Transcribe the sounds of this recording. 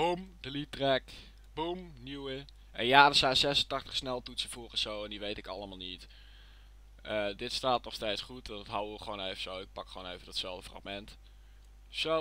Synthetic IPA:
bumd̥əlitrɛk | bumniwə | ʔɛnjaːdəsɛjnsɛsəntɑχtəχsnɛlˠtutsəvoːrɔsowɛndiʋejtɪkɑlˠəmaːlˠnit | ʔədɪtstaːtnɔχstejtsχutɑndtɦawəʋəχəʋonejvəsowɪk̚pɑkχʋoːnejvədɔtsɛlˠvdəfrɑ̰χmɛnt | so

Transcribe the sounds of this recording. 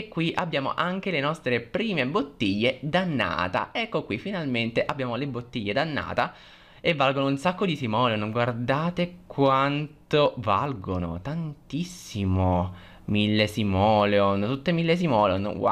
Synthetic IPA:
ekːwiʔabːjaːmo̰ʔaŋk̟elenɔst̪ɾepɾiːmebot̪ːiʎːed̪anːa̰ːt̪a̰ɛkːokwifinalment̪eʔabːjaːmolebot̪ːiʎːed̪anːa̰ːt̪a | evːalɡonounsakːod̪isimɔːleonɡward̪aːt̪ekwant̪ova̰lɡono̰t̪ant̪isːimo | milːesimɔːleont̪ut̪ːemilːes̬imɔleonwa̰

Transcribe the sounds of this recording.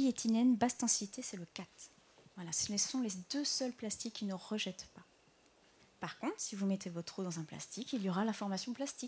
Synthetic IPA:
ijet̪ʰinɛnbast̪ɑ̃sit̪esɛləkat̪ | vwalassɔ̃led̪øsœlplast̪ikʲːinəʁəʒɛt̪pa | paʁkɔ̃t̪χsivumɛt̪ʰevɔt̪χod̪ɑ̃zɛ̃pla̰st̪ikiljɔʁalafɔʁmasjɔ̃plast̪ik

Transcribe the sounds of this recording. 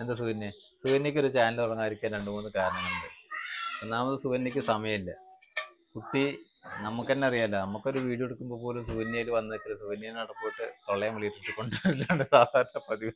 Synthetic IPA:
end̪ɐsuʋɐnːjɐ | suʋɐnːɐkʲːo̞ɾut͡ɕaːnlpɐrɐŋːaːiɾikʲːaːnɾe̞ɳɖumonːɨkaːɾɐɳɐŋːɐɭuɳɖɨenːaːmɐðɨsuʋɐnːɐkʲːɨsɐmɐjɐmilːɐ | put̪ːi | nɐmukːe̞nːe̞ɐrijaːlːɐnɐmukːo̞ɾuʋiːɽijoeɽukːumboːpo̞ːlumsuʋɐnjɐjilʋɐnːɐðikːɐɭesuʋɐnjɐjinnɐɽɐkːoːjiʈːɨt̪oɭːejɐmʋiɭijʈːɐiʈːɨko̞ɳɖɨɐilːaːɳɨsaːd̪ʱaːɾɐɳɐpɐðiʋɐ

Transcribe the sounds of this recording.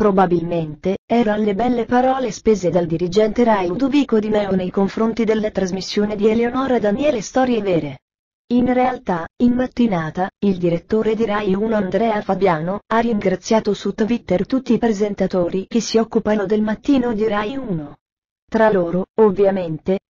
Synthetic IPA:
pɾobabilment̪eɛːɾoalːebɛlːepaɾɔːlespeːzed̪ald̪iɾid͡ʒɛnt̪eɾajud̪oviːkod̪imɛonejkoɱfɾont̪id̪elːat̪ɾazmisːjoːnid̪ieleonɔːɾad̪anjɛːlest̪ɔːɾjevɛːɾe | inrealt̪ainmat̪ːinaːt̪aild̪iɾet̪ːoːɾed̪iɾajuːnoand̪ɾɛːafabjaːnoarːiŋɡɾat̪sːjaːt̪osut̪vit̪ːert̪ut̪ːiːpɾezent̪at̪oːɾik̟esːiɔkːupanod̪elmat̪ːiːnod̪iɾajuːno | t̪ɾaloːɾoovːjament̪e

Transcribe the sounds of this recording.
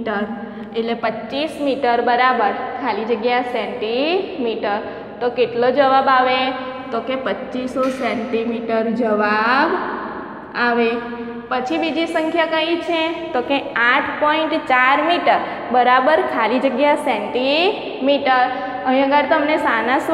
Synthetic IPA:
ʈəɾ | eʈlepətːt͡ʃismiʈəɾbəɾabəɾkʰalid͡ʒəɡjasɛ̃ɳʈimiʈəɾ | t̪okeʈlod͡ʒəʋabaʋe | t̪okepətːt͡ʃisosɛɳʈimiʈəɾd͡ʒəʋab | aʋe | pət͡ʃʰibid͡ʒisəŋkʰjakəĩt͡ʃʰet̪okeaʈʰpɔiɳʈt͡ʃaɾmiʈəɾ | bəɾabəɾkʰalid͡ʒəɡjasɛ̃ɳʈi | miʈəɾ | əɦĩəɡəɾt̪əmnesanas

